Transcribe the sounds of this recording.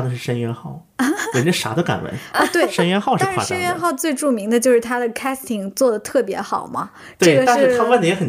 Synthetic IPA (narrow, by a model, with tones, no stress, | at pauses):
d̪ə˩ʂɻ̩˥˩ʂə˥nɥɛ˥nxɑ˥˩ʊ˧˥˩ | nə˥˩ʂa̰˧˥d̪ə˧ka̰˨˩nwə̰˧˥˦n˥˧˩t̪we˥˩˥ɪʂə˥nɥɛ˥nxɑ˥˧ʊʂɻa˥˧˥a̰˧˩ʂə˥n˥ɥɛ˥nxɑ˥˧ʊt͡swe˥˧ɪʈ͡ʂu˥˩mi˧˥ŋd̪ə˧t͡ɕjo˥˧ʊʂɻ̩˥˩t̪ʰa˥d̪ə˨kʰa˥st̪ʰi˨˩ŋt͡swɔ˥˩d̪ə˩t̪ʰɤ˥˩pjɛ˧˥xɑ˨˩ʊmɐ̰˦ | ʈ͡ʂ̪wɤ˥˧˥ɡə˩ʂa˥˧nɻʂɻ̩˥˧t̪ʰɑ˥wa˥˧nd̪ə˧˩jɛ˧˥xə˨˩n